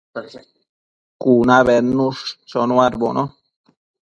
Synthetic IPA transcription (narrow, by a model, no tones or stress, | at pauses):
kunaβenũʂt͡ʃonuaɾbo̰nʔo